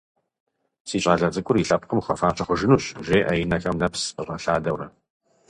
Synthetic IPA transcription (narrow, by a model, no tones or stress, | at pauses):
siːɕʼaːɮɐd͡zɨkʷʼʊriɬɐp̚qəmχɐfaːɕʰɐχʷʊʒɪnuːɕʒeːʔɐjɪnɐxɐmnɐpsəʁɐɬaːdɐwrɐ